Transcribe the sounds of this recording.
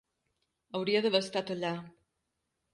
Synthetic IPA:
əwɾiəðəβəst̪at̪əʎa

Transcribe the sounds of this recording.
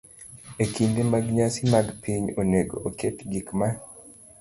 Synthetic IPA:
ekindimaɡɲasɪmaɡpʰiɲoneɡo̰oketɡikma

